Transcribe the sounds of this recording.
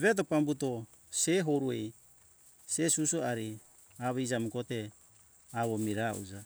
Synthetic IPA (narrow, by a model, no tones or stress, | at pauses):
βet̪̬opambuto | seɦoɾuej | sesusuaɾi | aβid͡ʒamukot̪e | aβomiɾaʔṵd͡ʒa